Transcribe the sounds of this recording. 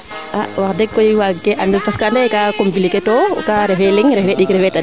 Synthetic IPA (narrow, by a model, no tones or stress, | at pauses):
ʔawaɾdɛkːɔjwaɡɛʔandɛfaskandɛkakombilikɛtɔkaɾɛfɛliŋɾɛfɛɗikɾɛfɛta